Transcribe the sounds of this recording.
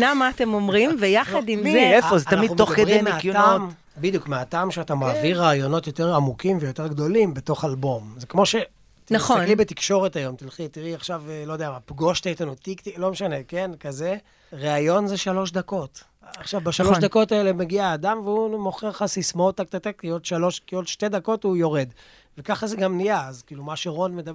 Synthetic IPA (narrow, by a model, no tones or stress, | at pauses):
namaːt̪emomʁimvejaχad̪imeefozeat̪amaidumːtoχkedimeakam | bid̪ijukmeatamʃeatamaːviʁaːjo̞no̞t̪jo̞t̪e̞ʁamukimvejo̞te̞ʁɡd̪o̞limbe̞to̞χalbo̞mzekmo̞ʃe̞ | t̪naχoaklibet̪ikʃo̞ʁetajo̞mt̪ilχit̪iʁiaχʃavlo̞d̪eamapɡo̞ʃtejtanut̪ikt̪ilo̞meʃane̞ke̞nkaze | ʁeajo̞nzeʃalo̞ʃd̪ako̞t | aχʃavbaʃaloʃd̪ako̞taelemeɡiaːdamveumo̞χeʁχasismoot̪ːak̚t̪at̪ekiod̪ʃalo̞ʃkiodʃte̞d̪ako̞tujo̞ʁed̪ | vekaχazeɡamnijaːzkiːlumaʃeʁo̞nmed̪ab